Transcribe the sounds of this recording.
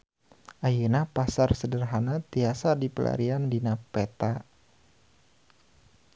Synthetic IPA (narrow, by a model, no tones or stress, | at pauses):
ʔajunapasarsədərɦanat̪iasadipəlʔa̰ɾiandinapet̪a